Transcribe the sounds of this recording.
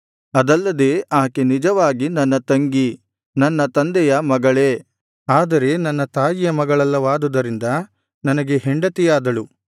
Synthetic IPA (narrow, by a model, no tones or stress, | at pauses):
ɐd̪ɐlːɐd̪eːʔaːkenid͡ʒɐʋaːɡinɐnːɐt̪ɐŋɡi | nɐnːɐt̪ɐnd̪ɛjɐmɐɡɐɭeː | aːd̪ɐɾe̞nɐnːɐt̪aːjijɐmɐɡɐɭɐlːɐʋaːd̪ud̪ɐɾind̪ɐ | nɐnɐɡe̞ɦeɳɖɐt̪ijaːd̪ɐɭu